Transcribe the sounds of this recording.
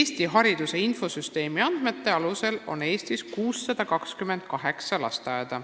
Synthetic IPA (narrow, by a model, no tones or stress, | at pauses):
eːst̪iɦɑɾid̪use̞info̞syst̪e̞ːmiɑnd̪̥me̞t̪ːe̞ɑluse̞lo̞̰ne̞ːst̪iskuːsːɑd̪̥ɑkɑkskymend̪̥̚kɑɦe̞ksɑlɑ̰st̪ɑjed̪̥ɑ